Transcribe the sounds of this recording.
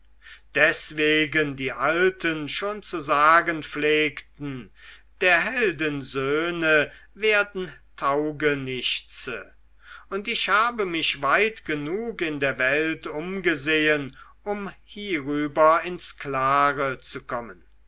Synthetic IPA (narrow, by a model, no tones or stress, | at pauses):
d̥ɛsv̥eːɡəndiːʔaltʰənʃoːnt͡suzaːɡənfleːktn̩d̥eːɐɦɛldənzøːnə | veːɐdn̩tʰaʊɡənɪʃt͡sə̰ | ʊntɪʃhaːbəmɪɕv̥aɪtɡ̥ənuːkɪndeːɐvɛltʊmɡəzeːən | ʊmhiːʁyːbɐɪnsklaːʁət͡sukʰɔmən